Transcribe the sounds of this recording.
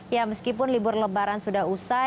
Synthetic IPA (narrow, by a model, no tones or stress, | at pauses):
jaməskipʊnlibʊrləbaɾansudaɦusa